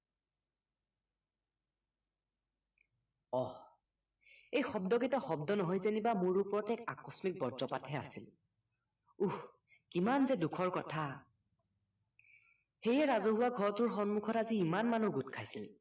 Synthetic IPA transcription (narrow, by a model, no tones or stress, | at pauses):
ɔ | ejxɔbdɔɡitɔxɔbdɔnɔɦɔjzenibamuɹupɔɹɔtɛka̰kɹɔsmik̚bɔɹzɔpatɦɛa̰sil | ux | kimanzɛdukʰɔɹkɔtʰa | xejɛɹazoɦʊwaɡʱɔɹɔtʊɹxɔnmukʰɔtaziːmanmanuɡutkʰajsil